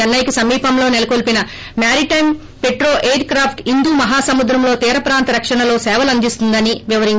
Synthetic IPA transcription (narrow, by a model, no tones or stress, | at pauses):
ɐnːɐjkisɐmːiːpɐmlo̞ːnelɐkolpinɐ | maːɾiʈɐjm | pe̞ʈɾo̞ːʔeːɖkɾaːpʰʈind̪uːmɐɦaːsɐmud̪ɾɐmlo̞ːt̪iːɾɐpɾaːnt̪ɐɾɐkʂɐɳɐlo̞ːsɛːʋɐlɐnd̪ist̪und̪ɐniʋiʋɐɾiɲt͡ʃ